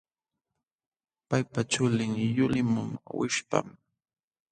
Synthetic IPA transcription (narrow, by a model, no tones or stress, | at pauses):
pajpat͡ʃʊlɪŋjʊlɪmʊmawɪʃpa̰m